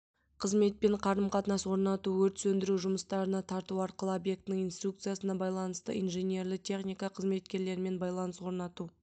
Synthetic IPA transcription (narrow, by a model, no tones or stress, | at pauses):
qʰəzme̞t̪̚pe̞ɴqʰɑɾəmqʰɑt̪nɑswo̞ɾnɑt̪uwɵɾt̪sɵnd̪ɪɾuʒʊməst̪ɑɾənɑt̪ʰɑɾt̪uɑɾqəlˠəobje̞k̚t̪ɪnɪŋijnst̪ɾuk̚t̪sɨjasənɑbɑjlˠɑnəst̪ə̰ijnʒenʲje̞ɾlɪt̪ʲʰe̞χnijkɑqʰəzme̞t̪̚kʲe̞ɾle̞ɾɪme̞nbɑjlˠɑnəswo̞ɾnɑt̪u